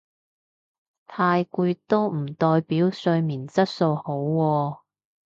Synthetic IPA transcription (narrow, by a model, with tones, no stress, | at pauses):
t̪ʰaː˧jkuː˧jt̪o˥wm̩˨˩t̪ɔː˧jpiː˨˥wsɵ˧ɥmiː˨˩nt͡sɐ˥t̚so˧who˨˥wːɔː˧